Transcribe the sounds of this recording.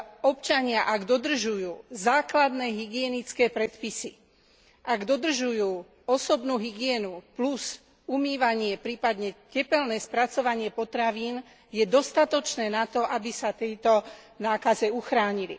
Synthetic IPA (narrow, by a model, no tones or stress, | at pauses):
ɔpt͡ʃaɲɪaʔaɡd̪ɔd̪r̩ʒujuːzaːklad̪nɛːɦiɡɪɛnit͡skɛːpɾɛt̪pisi | ʔaɡd̪ɔd̪r̩ʒujuː | ɔsɔbnuːɦiɡɪɛnupluz | umiːʋaɲɪɛpɾiːpad̪ɲɛcɛpɛlnɛːspɾat͡sɔʋaɲɪɛpɔt̪ɾaʋiːn | jɛd̪ɔst̪at̪ɔt͡ʃnɛːnat̪ɔʔabisat̪ɛjt̪ɔ | naːkazɛuxɾaːɲilḭ